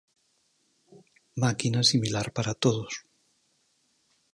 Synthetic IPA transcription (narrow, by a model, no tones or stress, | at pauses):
makinasimilaɾpaɾat̪oðos